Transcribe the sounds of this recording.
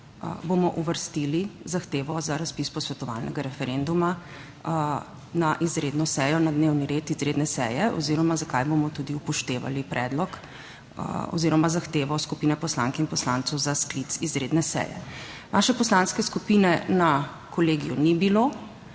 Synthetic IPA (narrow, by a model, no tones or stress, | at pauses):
bomɔʔuʋəɾst̪ilizaxt̪eːʋɔzaɾaspispɔsʋɛt̪ɔʋa̰lnʔɛ̰ɡaɾɛfɛɾend̪uma | naʔizɾed̪nɔsɛjɔnad̪neːwniɾet̪izɾed̪nɛsɛ̰jɛɔ̰ziɾɔmazakajbomɔt̪ud̪iupɔʃt̪eːʋa̰lipɾʔɛ̰ːd̪lɔk | ɔ̰ziɾɔmazaxt̪eːʋɔskupiːnɛpɔslaŋkɛinpɔslant̪sɔwzasklit̪sizɾed̪nɛsɛ̰ːjɛ̰ | ʋaʃɛpɔslanskɛskupinɛna | kɔleːɡijunibilo